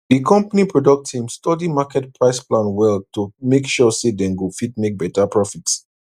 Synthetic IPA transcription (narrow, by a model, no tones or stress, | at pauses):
dikʰɔ̃mpanipɹɔdɔk̚tʰĩmstɔdimakɛt̚pʰɹaɪsplãnwɛltumekʃɔsedɛ̃nɡufidmek̚bɛtapɹɔfits